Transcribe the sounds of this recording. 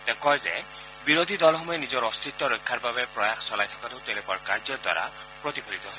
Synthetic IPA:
t̪ɛkɔɹzɛ̰ | biɹod̪ʱidɔlxɔmɔjɛnizɔɹɔst̪ʰit̪ːɔɹojkʰːaɹbabɛpɹɔjaxsɔlajt̪ʰɔ̥katʊt̪ɛlepɔɹkaɹzɔd̪wa̰ɹa̰ | pɹot̪ibʰʱolit̪ɔɦɔj

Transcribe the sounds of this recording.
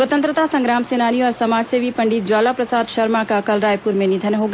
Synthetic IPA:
ət̪ənt̪ɾət̪asɐ̃ŋɡɾaːmsenaːniɔːɾsɐmaːd͡ʒseʋipɐɳɖit̪̚d͡ʒaːlapɾɐsaːd̪ʃɐɾmakakəlɾaːjpuɾmẽnɪd̪ʱənɦoɡ

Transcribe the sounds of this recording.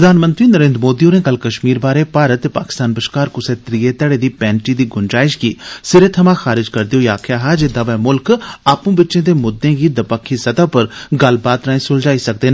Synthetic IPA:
ɾəd̪aːnmə̃nt̪ɾiːnəɾẽːnd̪ɾmoːd̪iõːnẽːkəlkəʃmiːɾbaːɾeːpaːɾət̪ːeːpa̰ːkɪ̥st̪aːnbəʃkaːɾkʊseːt̪ɾiːeːt̪ɛɽeːd̪iːpɛ̃ːnʈiːd̪iːɡʊnd͡ʒaːɪʃɡiːsɪɾeːt̪ʰəmãːxaːɾɪd͡ʒkəɾd̪iɦoiaːkʰjaːɦaːd͡ʒed̪aːʋɛːmʊlkaːpũːbɪtːʃẽːd̪eːmʊd̪ːẽːɡiːd̪əpəkʰːiːsət̪aːpəɾɡəlbaːt̪ɾaːĩːsʊld͡ʒaːiːsək̚d̪eːnː

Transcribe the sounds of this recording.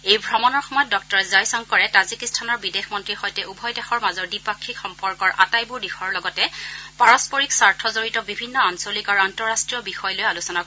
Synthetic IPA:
ejbʱɹɔmɔnɔɹxɔmɔjɔt̚dɔk̚tɔɹɛzajsɔŋkɔɹɛtazikistʰanɔɹbidexmɔntɹixɔjtɛʔubʱɔjdɛxɔɹmazɔɹdipakʰːikxɔmpɔɹkɔɹʔa̰tajbuɹdixɔɹlɔɡɔtɛpaɹɔspɔɹiksaɹtʰɔzoɹitɔbibʱinːɔansolikaɹuantɔɹastɹijɔbixɔjlojalusɔnakɔ

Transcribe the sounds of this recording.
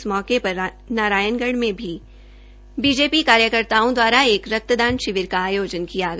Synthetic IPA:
smɔːkepɐɾ | naːɾaːjənɡəɽmẽbʱi | biːd͡ʒeːpikaːɾjəkəɾt̪aːõd̪waːɾaeːkɾɐk̚t̪əd̪ãːnʃɪʋɪɾkaːjoːd͡ʒənkiaɡ

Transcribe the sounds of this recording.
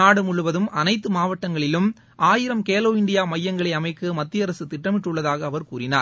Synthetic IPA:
aːɽɯmʊɭʊʋɐðɯmɐnɐɪt̪ːɯmaːʋɐʈːɐŋɡɐɭɪlɯm | ʔaːjɪɾɐmkeːloːɪɳɖɪjaːmɐjːɐŋɡɐɭɐɪɐmɐɪkːɯmɐt̪ːɪjɐɾɐsɯt̪ɪʈːɐmɪʈːɯɭːɐðaːɣɐːʋɐɾkuːɾɪnaːɾ

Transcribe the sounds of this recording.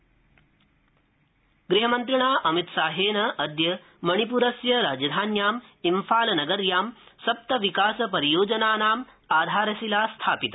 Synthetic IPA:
ɡɾiɦɐmɐnt̪ɾiɳaːʔɐmit̪saːɦeːnɐʔɐd̪jɐ | mɐɳ̃ipuɾɐsjɐɾaːd͡ʒɐd̪ʱaːnjaːmimfaːlɐnɐɡɐɾjaːmsɐp̚t̪ɐʋikaːsɐpɐɾijoːd͡ʒɐnaːnaːm | aːd̪ʱaːɾɐsilaːst̪ʰaːpit̪ɐ

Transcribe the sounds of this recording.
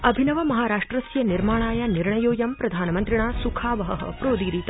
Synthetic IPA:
ɐbʱinɐʋɐmɐɦaːɾaːʂʈɾɐsjɐniɾmaːɳ̃aːjaniɾɳɐjoːjɐmpɾɐd̪ʱaːnɐmɐnt̪ɾiɳaːsukʰaːʋɐɦɐ̰ɦɐ̰pɾoːd̪iːɾiːt̪ɐ

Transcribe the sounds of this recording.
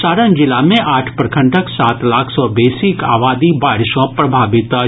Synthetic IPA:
saːɾənd͡ʒɪlaːmẽʔaːʈʰpɾɐkʰə̃ɳʈʰəksaːt̪laːkʰsɔːbeːsika̰ːʋaːd̪ibaːɾɪʃɔ̃pɾɐbʱaːʋɪt̪

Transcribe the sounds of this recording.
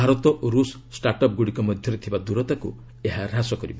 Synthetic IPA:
aɾɔt̪ɔʔɾus | sʈaɾʈɔp̚ɡuɽikɔmɔd̪ʱjɔɾet̪ʰibad̪uɾɔt̪aku | eɦaɾɦasɔkɔɾibɔ

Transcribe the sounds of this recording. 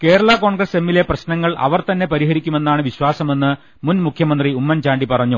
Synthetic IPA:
ke̞ːɾɐɭɐko̞ːɳɡrɐse̞mːile̞prɐɕnɐŋːɐɭʔɐ̰ʋɐrt̪ɐnːe̞pɐɾiɦɐɾikʲːume̞nːaːɳɨʋiɕwaːsɐme̞nːɨ | munmukʰjɐmɐnd̪riumːɐnt͡ɕaːɳɖipɐrɐɲːu

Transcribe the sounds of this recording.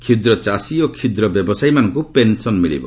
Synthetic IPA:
kʰid̪ɾɔt͡ʃasiokʰid̪ɾɔbjɔbɔsajmanɔŋkupensɔnmiɭḭbɔ̰

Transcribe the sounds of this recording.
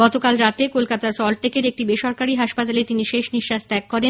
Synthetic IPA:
ɔt̪okalɾat̪ekolkat̪asɔlʈekeɾek̚ʈibeʃoɾkaɾiɦaʃpat̪alet̪iniʃeʃniʃːaʃt̪ɛkːɔɾe

